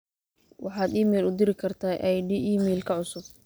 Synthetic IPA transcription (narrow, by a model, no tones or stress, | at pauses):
wʔɑħɑːd̪iːmɛjlʊd̪ɪɾɪkʰɐrt̪ʰaːʔɛjɖiːʔiːmɛjlkʰɐʕʊsʊb̚